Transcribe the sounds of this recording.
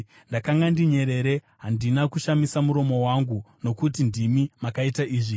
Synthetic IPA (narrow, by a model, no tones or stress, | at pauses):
ndakaŋɡandiɲe̞ɾe̞ɾe̞ | ɦandinakuʃamisamuɾo̞mo̞waŋɡuno̞kutindimimakaitaʔiːʐi